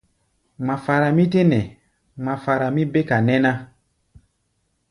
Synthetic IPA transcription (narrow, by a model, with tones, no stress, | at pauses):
ŋ͡ma˨fa˨ɾa˨mĩ˦te˦nɛ̃˨ | ŋ͡ma˨fa˨ɾa˨mĩ˦be˦ka˨nɛ˦nã˦